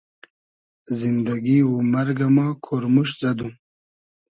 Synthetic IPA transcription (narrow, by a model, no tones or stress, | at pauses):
zind̪aɡiwumɐɾɡamɑːkʰoɾmuʃzad̪ũ